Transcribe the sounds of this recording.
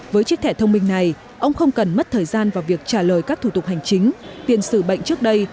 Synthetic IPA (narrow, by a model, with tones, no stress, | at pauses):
vəː˨˦jt͡ɕi˦˥t̪ʰɛ˧˩t̪ʰə˧wŋ͡mmï˧ŋ̟na˨˩j | ʔə˧wŋ͡mxə˧wŋ͡mkə˨˩nmə˦˥t̚t̪ʰəː˨˩jzaː˧nvaː˨˩wvi˨˩ək̚t͡ɕaː˧˩ləː˨˩jkaː˦˥k̚t̪ʰu˧˩t̪ʊ˨˩k͡p̚ha˨˩jŋ̟t͡ɕï˨˦ŋ̟t̪i˨˧˩ənsɨ˧˩ɓə̰˧˨jŋ̟t͡ɕɨ˦˥ək̚ɗə˧j